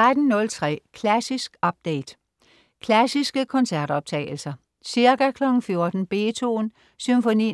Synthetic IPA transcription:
ʁad̥n̩ːɔ̽lt͡sʰʁɛ̰ːkʰlæsisɡ̥ɒ̽b̥̚d̥eɪd̥ | kʰlæsisɡ̥əkʰɒ̽nsæɐ̰d̥ɒ̽b̥̚t͡sʰɛ̰ːɪl̩sɐ | siɐɡækʰlɒ̽ɡ̥ŋ̩fjo̝ɐd̥n̩b̥e̝̰ːt͡sʰo̝̰ːn | symfonḭː

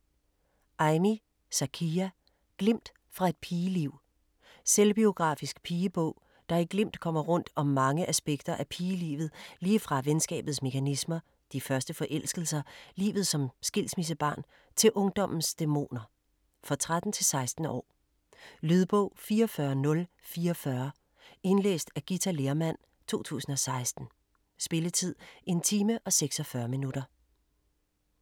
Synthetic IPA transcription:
ʔɑ̈ɪni | sækʰiːæ | ɡ̥lem̰d̥ | fʁɑ̈e̝d̥̚pʰiːəliʊ̰ | selb̥io̝ɡ̥ʁɑ̈ːfisɡ̥pʰiːəb̥ɔʊ̰ | d̥ɑ̈æɡ̥lem̰d̥kʰɒ̽m̰ɐʁɔ̽n̰d̥ɒ̽mːɑ̈ŋəʔæsb̥eɡ̥d̥ɐʔæpʰiːəlḭːʋð̩ˠliːfʁɑ̈ʋensɡ̥ɛ̰ːb̥ð̩ˠsme̝kʰænismɐ | d̥ifɶɐsd̥əfɒ̽ʔel̰sɡ̥l̩sɐlḭːʋð̞̩ˠsɒ̽msɡ̥e̝l̰smis̬əb̥ɑ̰̈ːn | t͡sʰe̝lʔɔ̽ŋd̥ɒ̽m̰n̩sd̥e̝mo̝̰ːnɐ | fɒt͡sʰʁad̥n̩t͡sʰe̝lsɑ̈ɪsd̥n̩ɒ̰ː | lyð̞ˠb̥ɔʊ̰fiːɐɒfɶɐnɔ̽l | fiːɐɒfɶɐ | e̝nlḛːsd̥æɡ̥it͡sʰæle̝ːɐmæn̰ | t͡sʰo̝̰ːt͡sʰṵːsn̩ɒ̽sɑ̈ɪsd̥n̩ | sb̥e̝lət͡sʰið̞̰ˠe̝nt͡sʰiːməʔɒ̽seɡ̥sɒ̽fɶɐminud̥ɐ

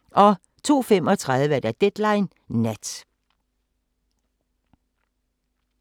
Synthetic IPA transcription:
ʔɒ̽ | t͡sʰo̝̰ːfem̰ɒ̽t͡sʰʁað̞ˠʋəd̥æd̥ed̥lɑ̈ɪnː | æd̥

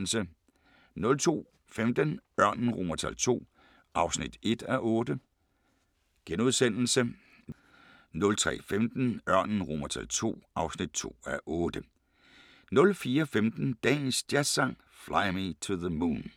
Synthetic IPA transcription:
l̩sə | nɔ̽lt͡sʰo̝̰ː | femd̥ənɶɐ̰nn̩ʁomɐt͡sʰæ̰l̰t͡sʰo̝̰ː | ʔɑ̈ʊsnid̥e̝d̥æʔɔ̽ːd̥ə | ɡ̥enuð̞ˠsen̰l̩sə | nɔ̽lt͡sʰʁɛ̰ːfemd̥n̩ɶɐ̰nn̩ʁomɐt͡sʰælt͡sʰo̝̰ːʔɑ̈ʊsnid̥t͡sʰo̝̰ːæʔɔːd̥ə | nɔ̽lfiːɐfemd̥n̩d̥ɛ̰ːnsd̥jæɐ̥sɑ̈ŋ̰ | flaɪmit͡sʰuðəmuːn

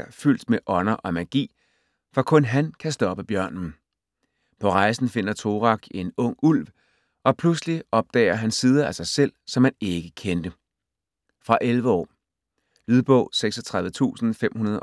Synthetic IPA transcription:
ɐfyl̰d̥meʔɒ̽nɐʔɒ̽mæɡ̥ḭː | fɒ̽kʰɔ̽nɦænkʰæsd̥ɒ̽b̥əb̥jɶɐ̰nn̩ | pʰɒ̽ʁɑ̈ɪsn̩fe̝n̰ɐt͡sʰo̝ːʁɑ̈ɡ̥e̝nɔ̽ŋ̰ul̰ʋ | ʔɒ̽pʰlusliɒ̽b̥̚d̥ɛ̰ːɐɦænsiːð̞ˠɐæsɑ̈ɪsel̰sɒ̽mhæne̝ɡ̥əkʰend̥ə | fʁɑ̈ʔelʋəɒ̰ː | lyð̞ˠb̥ɔ̽ʊ̰seɡ̥sɒt͡sʰʁɑðˠð̩ət͡sʰṵːsn̩fem̰hunɐðˠ

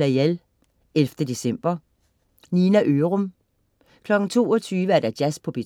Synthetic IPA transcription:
æel | elfd̥əd̥e̝sem̰b̥ɐ | ninæʔøʁɔm | kʰlɒ̽ɡ̥n̩t͡sʰo̝̰ːɒt͡sʰyːʋəæɐd̥æd̥jæspʰɒ̽b̥e

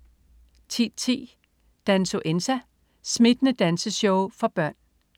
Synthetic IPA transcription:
t͡sʰḭd̥t͡sʰḭː | d̥ænso̝ʔensæ | smid̥ənəd̥ænsəɕɔʊfɒ̽b̥ɶɐ̰n

